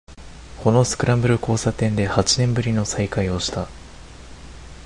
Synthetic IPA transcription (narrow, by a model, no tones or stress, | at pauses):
ko̞no̞sɨ̥kɯ̟ɾãmbɯ̟ɾɯ̟ko̞ːsat̪ẽ̞nd̪e̞hat͡ɕinẽ̞mbɯ̟ɾʲino̞saikaio̞ɕi̥t̪a